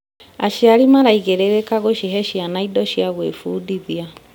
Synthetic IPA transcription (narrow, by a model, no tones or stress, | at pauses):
aʃiaɾimaɾaiɣeɾeɾekaɣoʃiɦɛʃianaidɔɕjaɣwḛfuːdiðia